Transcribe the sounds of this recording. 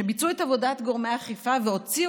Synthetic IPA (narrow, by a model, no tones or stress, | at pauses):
ebit͡suetavo̞datɡo̞ʁmeaχifaveo̞t͡si